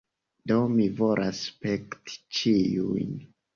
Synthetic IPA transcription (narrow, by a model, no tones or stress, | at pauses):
domivoɾʔaspekti̥t͡ʃijujn